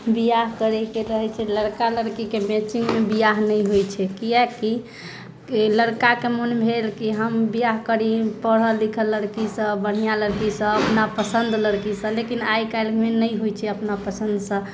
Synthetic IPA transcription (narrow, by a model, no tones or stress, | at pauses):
bijaɦkəɾɛkeɾəɦɛt͡ʃʰɛləɽkaləɾkikemet͡ʃiŋɡmebijaɦnəjɦojt͡ʃʰɛkiɛki | ləɽkakemunbʱelkiɦəmbijaɦkəɽipəɽɦəlikʰəlːəɽkisə̃bəɽ̤̃ijaləɾkisə̃əpnapəsənd̪ləɽkisə̃lekinajkajlkmenəjɦojt͡ʃʰɛəpnapəsə̃nd̪sə̃